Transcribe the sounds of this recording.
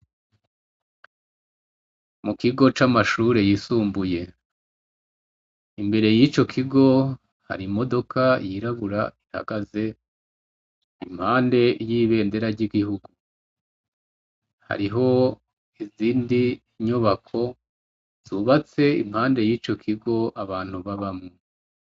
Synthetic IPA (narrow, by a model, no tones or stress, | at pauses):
mukiɡo̞t͡ʃamaʃuːɾe̞jisuːmbuje̞ | imbe̞ɾe̞jit͡ʃo̞kʰiɡo̞ | ha̰ɾimo̞do̞kʰajiɾaβuɾa̰iha̰ɡaze̞ | im̥haːnde̞jiːβe̞ːnde̞ɾaɾɟiɡihuɡu | ha̰ɾiɦo̞ | iziːndi | ɲuβakʰo̞ | z̥uːβat͡se̞ḭm̥haːnde̞jiːt͡ʃo̞kʰiɡo̞ʔaβaːn̥huβaβamŋo